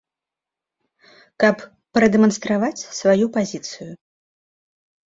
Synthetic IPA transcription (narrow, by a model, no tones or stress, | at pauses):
kɐp | pɾɐd̪ɛmɐnst̪ɾavat͡sʲsvajupazʲit̪sɨju